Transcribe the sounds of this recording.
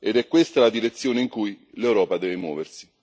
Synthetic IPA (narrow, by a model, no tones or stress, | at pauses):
ed̪ɛkːwest̪alad̪iɾet̪sːjoːneiŋkuj | lewɾɔːpad̪ɛːvemwɔ̰ːversi̥